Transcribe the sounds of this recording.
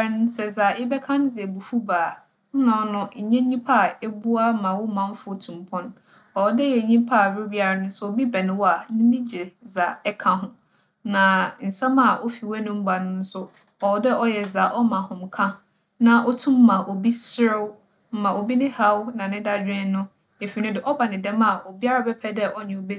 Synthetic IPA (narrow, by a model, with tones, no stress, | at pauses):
ɾn˦sɛ˨za˨ɪ˦bɛ˦kʰã˦n˦d͡zɪ˨ɛ˨bu˨fu˦baː˨ | n̩˦nã˨˦nʊ̃˦ɲ̩˨ɲɛ̃˦ɲĩ˦pʰa˦˨ɛ˦bu˦a˦mã˨wʊ˦mã˨˦n˦fʊ˦˨tʰũ˨m˨pʰɔ̃˦n | ɔ˨wdɛ˦jɛ˨ɲĩ˦pʰa˦˨bɪ˦bi˦a˨ɾa˨n˦sʊ˦ɔ˨bi˦bɛ˨nɪ̃˨wɔ˦a˨nɪ̃˦nɪ̃˦d͡ʑɪ˨za˨ɛ˦kʰã˦ɦʊ̃˦ | nã˨n̩˨sã˦ma˨ʔo˦fi˨wɛ˦nʊ̃˦m̩˦ba˨nʊ̃˦n̩˦sʊ˦ | ɔ˨wɔ˨˦dɛ˦ʔɔ˦jɛ˨za˨ʔɔ˦mã˨hʊ̃˨mkʰã˦ | nã˨ʔɔ˦tʰũ˦mːã˨ʔo˨bi˦sɾɪ˦w | m̩˦mã˨o˨bi˦nɪ̃˦ha˦wnã˨nɪ̃˦da˦d͡ʑᶣɪ̃˦nʊ̃˦ | e˨fi˨nʊ̃˦dɪ˨ʔɔ˦ba˨nɪ̃˨dɛ̃˦ma˨ʔo˨bi˦a˦ɾa˨bɛ˦pʰɛ˦dɛ˦ʔɔ˦ɲɪ̃˨o˨be˦